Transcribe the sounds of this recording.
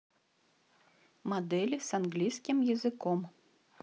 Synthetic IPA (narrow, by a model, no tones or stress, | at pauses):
mad̪ɛlʲisanɣlʲijsʲkʲimjɐzɨkɔm